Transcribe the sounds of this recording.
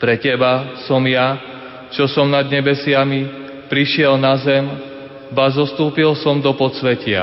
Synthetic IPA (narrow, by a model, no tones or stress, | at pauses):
pɾɛcɛbasɔmja | t͡ʃɔsɔmnad̪ɲɛbɛsɪami | pɾiʃɪɛlnazɛm | bazɔst̪uːpilsɔmd̪ɔpɔt͡sʋɛcɪa̰